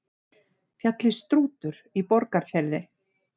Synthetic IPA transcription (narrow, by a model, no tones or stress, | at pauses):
fjat̪lɪst̪ɾuːt̪ʏɾ̥ | ipɔɾkaɾ̥fjɛɾðɪ